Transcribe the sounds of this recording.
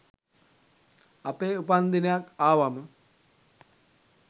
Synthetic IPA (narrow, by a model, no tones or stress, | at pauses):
apeːupand̪inejakaːʋamə